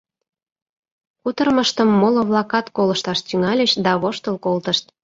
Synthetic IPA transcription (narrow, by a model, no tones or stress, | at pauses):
kut̪ərməʃt̪əmːolŏβlɑkɑt̪koləʃt̪ɑʃt̪yŋɑlʲeʃd̪ɑβoʃt̪əlkolt̪əʃt̪̚